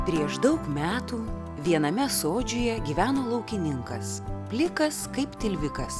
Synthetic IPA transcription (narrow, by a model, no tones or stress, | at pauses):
pʲɾʲiɛʃd̪ɐʊkmʲæːt̪uː | ʋʲiɛnɐmʲɛsoːd͡ʒʲoːjɛɡʲiːʋʲæːnoːlˠɐʊkʲɪnʲɪŋkɐspʲlʲɪkɐskɐɪpt̪ʲɪlʲʋʲɪkɐs